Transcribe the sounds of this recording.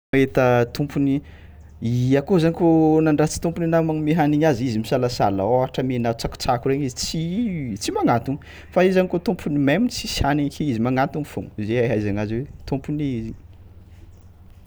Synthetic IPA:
et̪ət̪umpuni | iakozaɲikonaɳɖ͡ʐat͡si̥t̪umpuninammeɦaniɲazizimisalasa̰la̰oɦaʈ͡ʂəmenat͡saku̥t͡sakureɲizit͡sit͡simaŋant̪un | faizaɲikot̪umpʰunimemint͡si̥shaneɲkiizimaŋant̪unfoŋzeaɦajzaŋazwet̪umpuniizi

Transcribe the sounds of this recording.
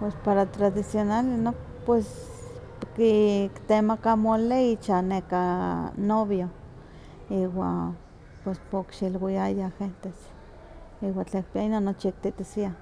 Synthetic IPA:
pwespaɾat̪ɾaðisjonalenok | pwes | kikt̪emakamoleit͡ʃanekanoβjo | iwa̰ | pwespokʃilwiajaxent̪es | iwant͡ɬaik̚piainonːot͡ʃik̚t̪iʔt̪isia

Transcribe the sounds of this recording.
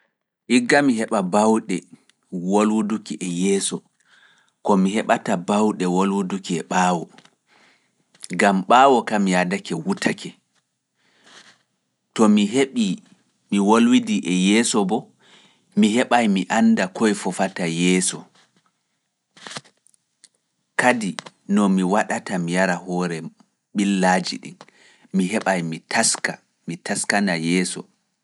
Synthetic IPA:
ʔiɡːamiɦɛɓabawɗɛ | wolwudukiʔɛjɛːsɔ | kɔmiɦɛɓatabawɗɛwolwudukiɛɓaːwɔ | ɡamɓaːwɔkamiadakɛwutʰakʰɛ | tɔmiɦeɓi | miwolwidiʔɛjɛːsɔbɔ | mihɛɓajmiʔandakɔjfɔfatajɛːsɔ | kadi | nɔmiwaɗatamijaɾahɔːɾɛ | ɓilːad͡ʒḭɗḭn | miɦɛɓajmitʰaska | mitaskanajɛːsɔ̰

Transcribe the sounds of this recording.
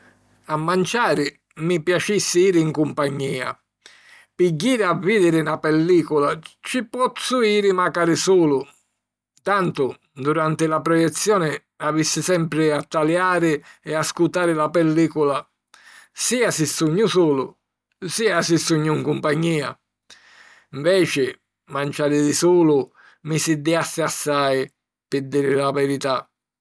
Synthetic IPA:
amːant͡ʃaːɾɪ | mipjat͡ʃisːɪiːɾɪːŋkumpaɲːiːa̰ | piɟːiːɾɪaviːd̪ɪɾɪnapɛlːiːkʊlat͡ʃipɔt̪suiːɾɪmakaːɾɪsuːlʊ | t̪ant̪ʊ | d̪uɾant̪ɪlapɾɔjɛt̪sːjɔːnɪ | avisːɪsɛmpɾɪat̪ːaljaːɾɪɛaskut̪aːɾɪlapɛlːiːkʊla | siːasɪsːuɲːʊsuːlʊ̰ | siːasɪsːuɲːʊŋkumpaɲːiːa̰ | iɱvɛːt͡ʃɪ | mant͡ʃaːɾɪd̪isuːlʊ | mɪsɪd̪iasːɪasːaj | pɪd̪ːiːɾɪlavɛɾit̪a

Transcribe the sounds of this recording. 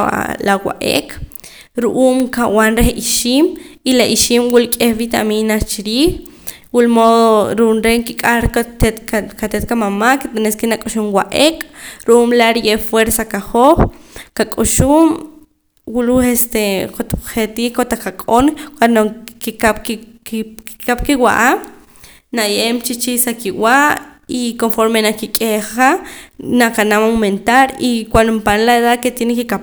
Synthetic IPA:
lawa̰ʔḛkʼ | ɾuʔuːmkawanɾehiʃiːmilaʔiʃiːmwulkʼehβit̪a̰minast͡ʃiɾiːχ | wulmoðoɾunɾeŋkikʼaɾk̪et̪kkat̪et̪̚kamamakit̪eneskinakʼuʃumwaʔekʼɾuʔuːmlaɾijefweɾsakaχoχkakʼuʃum | wuluest̪ekot̪χet̪ikot̪ekakʼonkwanokikapk | ikap̚kiwa̰ʔam | najemt͡ʃit͡ʃisakiwaʔikonfoɾmenakikʼeχqanakanamwment̪aɾikwand̪ompanlaeðaðket̪jenekikap

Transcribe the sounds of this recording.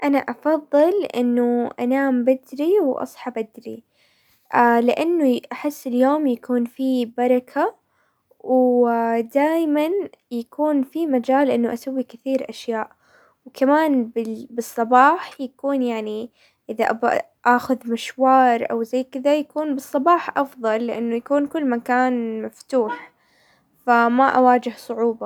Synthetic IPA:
ʔanaʔɑfɑðˤːɨlʔɪ̰nːʊʔa̰naːmbɪd̪ɾiwʔɑ̰sˤħɑbad̪ɾi | ʔalɪʔanːʊʔaħɪsːɪljoːmjakuːnfibɑɾˤɑkʰa | w | d̪aːjmanjakuːnfimad͡ʒaːlʔɪnːʊʔasawːikɪθiːɾʔaʃjaːʔ | wkamaːnbɪbɨsˤːɑbɑːħjakuːnjaʕni | ʔɪðaʔaba̰ | ʔaːxʊðmɪʃwɑːɾˤʔa̰wzajːkɪd̪ajakuːnbɨsˤːɑbɑːħʔɑfðˤɑlːɪʔanːʊjakuːnkʊlːmakaːnmaft̪uːħ | famaʔawaːd͡ʒɪhsˤʊʕuːbɑ

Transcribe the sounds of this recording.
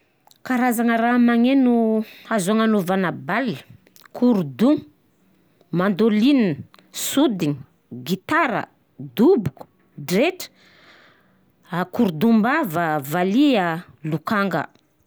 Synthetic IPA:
kaɾazaŋəɾamaŋenuazaŋanuvanabalːi̥ | kʰuɾud̪u | mand̪olinn | sud̪iɲi | ɡit̪aɾə̰ | d̪ubuku̥ | ɖ͡ʐeʈ͡ʂə̥ | akuɾd̪umbavəvaliə | lukaŋɡə̰

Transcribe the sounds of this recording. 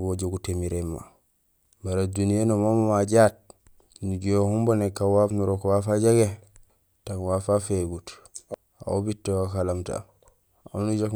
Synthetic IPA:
boɟoɡutemiɾemːa̰ | baɾadunienomammaɟat̚ | nuɟohumbonekːawafnuɾokwafaɟaɡe | takwafafeɡut | a̰wobitːewakalamta̰ | a̰nuɟak

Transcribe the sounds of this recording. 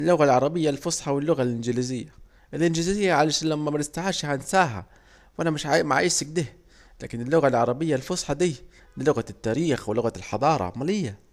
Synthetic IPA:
lːʊɣalʕɑɾˤɑbɪjːalfʊsˤħɑwɪlːʊɣalʔɪnd͡ʒɪlizɪjːa | ʔɪlʔɪnd͡ʒɪlzɪjːaʕalaʃanlamːamaɾɪst̪aʕaːʃhansaːɦa̰ | wʔanamɪʃʕaʔmaʕa̰ʔɪsɪɡ̚d̪iːh | laːkɪnɪlːʊɣalʕɑɾˤɑbɪjːalfʊsˤħɑd̪iː | lɪlʊɣat̪ːaːɾiːxwɪlʊɣalħɑd̪ˤɑːɾˤɑ̰ʕmalɪjːa

